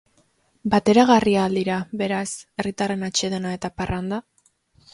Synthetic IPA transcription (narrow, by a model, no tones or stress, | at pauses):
bat̪e̞ɾaɣ̞ariaːld̪iɾaβe̞ɾase̞rit̪are̞nat͡ʃe̞ð̞e̞nae̞t̪aparand̪a